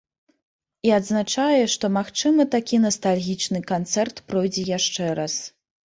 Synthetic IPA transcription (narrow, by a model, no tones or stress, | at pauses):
iad̪znat͡ʂajɛʂt̪ɔmaxt͡ʂɨmɐt̪akʲʰinɐst̪alʲɣʲit͡ʂnɨkant̪sɛrt̪pɾɔjd͡zʲɛjaʂt͡ʂɛɾas